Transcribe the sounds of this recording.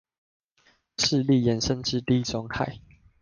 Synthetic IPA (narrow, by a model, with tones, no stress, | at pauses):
ʂɻ̩˥˨li˥˨jɛ˨˦nʂə˦nʈ͡ʂɻ̩˥˧t̪i˥˨i˦t͡sɔ˥˦ŋhʰa̰˥˨ɪ